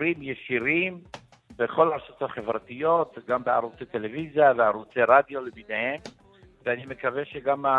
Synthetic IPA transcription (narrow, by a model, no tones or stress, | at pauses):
ɾimjeʃiɾim | beχo̞laɾsot̪haχevɾat̪ijo̞t̪ɡambea̰ɾut͡set̪elevizjaveaɾut͡seɾad̪joleminehem | veanimekaveʃeɡama